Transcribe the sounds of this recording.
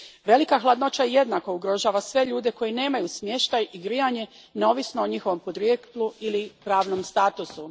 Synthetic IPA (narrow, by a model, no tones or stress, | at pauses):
ʋe̞likaxlˠad̪no̞t͡ɕaje̞d̪nako̞uɡɾo̞ʒaːʋasʋe̞ʎuːd̪e̞ko̞jine̞ːmajusmje̞ʃt̪ajiɡɾijaɲe̞ | neo̞ːʋisno̞ːɲixo̞ʋo̞mpod̪ɾjet̪lˠuilipɾaːʋnomst̪aːt̪usu